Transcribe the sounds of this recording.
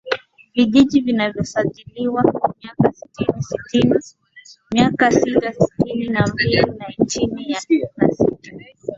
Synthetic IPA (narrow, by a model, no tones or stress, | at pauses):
viʄiʄivinavjɔsaʄiliwamiakasi̥tinisitini | mjakasitasi̥tininambilinant͡ʃinijanasita